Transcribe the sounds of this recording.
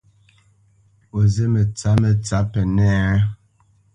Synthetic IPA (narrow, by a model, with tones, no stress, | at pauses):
o˨ze˦mə˨t͡sa˨˦mə˨t͡sa˨˦pɛ˨nɛ˦